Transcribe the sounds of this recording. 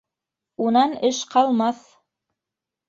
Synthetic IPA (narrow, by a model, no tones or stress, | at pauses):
unɑnɘʃqɑlˠmɑθ